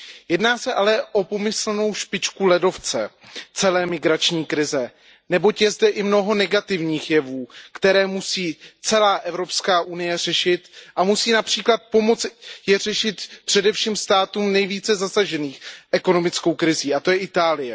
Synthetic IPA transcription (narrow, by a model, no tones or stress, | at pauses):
jɛdnaːsɛʔalɛʔo̞po̞mɪsl̩no̞wʃpɪt͡ʃkulɛdo̞ft͡sɛ̰ | t͡sɛlɛːmɪɡɾat͡ʃɲiːkɾɪzɛ | nɛbo̞cjɛzdɛʔɪmno̞ɦo̞nɛɡat̪ɪvɲiːxjɛvuːkt̪ɛɾɛːmusiːt͡sɛlaːʔɛvɾo̞pskaːʔunɪjɛr̝̥ɛʃɪt̪ʔamusiːnapr̝̥iːklat̪̚po̞mo̞t͡sjɛr̝ɛʃɪt̪pr̝̥ɛdɛfʃiːmst̪aːt̪uːmnɛjviːt͡sɛzasaʒɛniːxʔɛko̞no̞mɪt͡sko̞wkɾɪziːʔat̪o̞jɛʔɪt̪aːlɪjɛ